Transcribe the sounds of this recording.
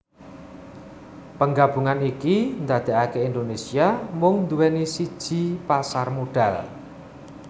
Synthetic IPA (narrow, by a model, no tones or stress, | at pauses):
pəŋɡab̥uŋanikind̪ad̪̥e̤ʔakeind̪onesiamʊŋnd̪uwenisid̥ʒ̥i̤pasarmoɖ̥al